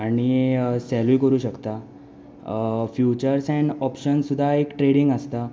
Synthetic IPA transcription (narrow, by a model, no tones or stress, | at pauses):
aɽ̃isɛlukəɾuːɕəkt̪a | fjut͡ɕəɾsɛ̃ɳɔpɕənsud̪ʱːaekʈɾeɽiŋɡəst̪a